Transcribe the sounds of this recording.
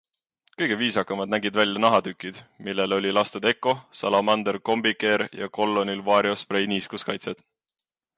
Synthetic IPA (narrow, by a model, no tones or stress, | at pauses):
kɤjɡ̥e̞viːsɑkːˑɑmɑd̪̥næɡid̪vælʲjɑnɑɦɑd̪ykˑːid̪̥milːe̞lo̞lʲilɑst̪ed̪e̞kːˑo̞sɑlɑmɑnd̪erko̞mbikːˑe̞ɾjɑ̰ko̞lːo̞nilvɑːɾjo̞sprejniːskuskɑjt̪sed̪̥